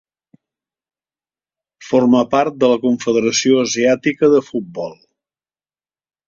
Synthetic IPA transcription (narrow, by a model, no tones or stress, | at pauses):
forməpaɾt̪̚d̪ələkuɱfəðəɾəsioəziat̪ikəðəfut̪̚bɔlˠ